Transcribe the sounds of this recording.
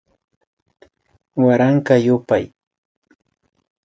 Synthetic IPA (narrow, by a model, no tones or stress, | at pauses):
waɾaŋkajʊpaj